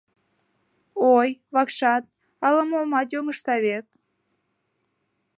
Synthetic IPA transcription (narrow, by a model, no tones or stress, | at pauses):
ojβɑkʃɑt̪̚ | ɑləmomɑt̪joŋəʃt̪ɑβet̪̚